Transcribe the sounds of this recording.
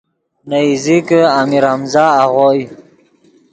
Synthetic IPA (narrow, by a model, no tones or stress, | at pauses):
naizikəamiɾamzɑːʁoj